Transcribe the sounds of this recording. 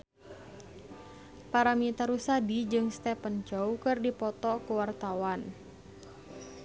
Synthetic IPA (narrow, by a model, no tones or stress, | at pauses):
paɾamit̪aɾusadid͡ʒɨŋst̪ɛpənt͡ʃɔwkɨrdipɔt̪ɔkuwart̪awan